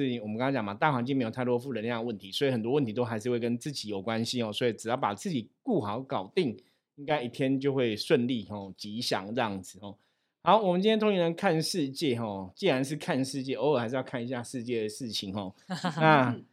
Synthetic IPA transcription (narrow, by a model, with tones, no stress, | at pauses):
i˨˩wɔ˨mə˦kŋɑ̃˥˩t͡ɕɑ˨˩ŋma˨˩t̪a˥˨xa˧˥nt͡ɕi˥˧ŋme˧˥jt̪ʰt̪wɔ˦fu˥˩lə˧˦n˧jŋə˦wə˥˩nt̪ʰi˧˦swɔ˧˥i˨˩xə˨˩nt̪wɔ˥˦wə˥˨nt̪ʰi˧˥t̪o˥ʊxa˧˥ɪʂɻ̩˥˧we˥˩ɪkə˦nt͡sɹ̩˥˩t͡ɕi˧˥jo˨˩ʊkwa˦nɕi˦xɔ˨swɔ˧˥i˨˩ʈ͡ʂɻ̩˨˩jɑ˥˩ʊpa˨˩t͡sɹ̩˥˩t͡ɕi˨˩ku˥˩xɑ˨˦ʊkɑ˨˩ʊt̪i˥˨˩ŋ | i˦˥ŋka˥ɪʔi˨˩t̪ʰjɛ˥nt͡ɕjo˥˧ʊxwe˥˧ɪʂwə˥˧nli˥˨xɔ˨˩t͡ɕi˧˥ɕjɑ̰˨˩ŋt͡sə˥˩˧ɑ˥˩ŋd͡zɹ̩˨˩xɔ˨˩ | ha˧˥ʊwɔ˨˩mə˨nt͡ɕi˥nʰjɛ˥t̪ʰo˧˥ŋi˧nə˧˦nkʰa˥˧nʂɻ̩˥˧t͡ɕjɛ˥˨xɔ˨˩t͡ɕi˥˩ɻa˧˦nʂ̬ɻ̩˥˧kʰa˥˧nʂɻ̩˥˧t͡ɕjɛ˥˩o˧˦o˨˩hɪʂɻ̩˥˧jkʰa˥˩ni˧ɕja˥˧ʂɻ̩˥˧t͡ɕjɛ˥˩d̪ə˩ʂɻ̩˥˩t͡ɕʰi˨˦nxɔ˥˩na˥˨